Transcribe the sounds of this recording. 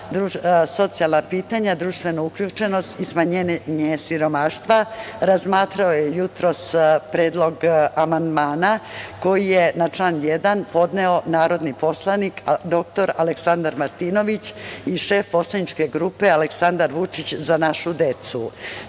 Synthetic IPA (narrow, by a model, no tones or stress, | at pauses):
d̪ɾuso̞t̪sijalˠnapiːt̪aɲad̪ɾuːʃt̪ʋe̞nouklʎuːt͡ʂe̞no̞st̪ismaɲenɲesiɾo̞maːʃt̪ʋaɾazmaːt̪ɾaojejut̪ɾo̞spɾeːd̪lˠo̞ɡamand̪maːnako̞jijenat͡ʂlaːnjed̪anpo̞d̪neo̞naːɾo̞d̪nipo̞slˠanikd̪o̞k̚t̪o̞ɾaleksand̪aɾmaɾt̪iːno̞ʋit͡ɕiʃe̞ːfpo̞slanit͡ʃke̞ɡɾuːpe̞aleksand̪aɾʋut͡ʂit͡ɕzanaʃud̪e̞t̪su